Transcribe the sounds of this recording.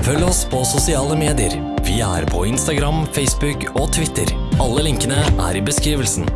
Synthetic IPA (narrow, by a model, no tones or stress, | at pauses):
fœlːɔspʰɔsʊsɪɑːləmeːd̪ɪəɾ | ʋɪæ̰ɾpʰɔɪnst̪ɑɡɾɑmfɛɪsbʉk | ɔt̪ʰʋɪt̪ːəɾ | ɑlːəlɪŋkənəʔæ̰ɾɪbəskɾiːʋəlsn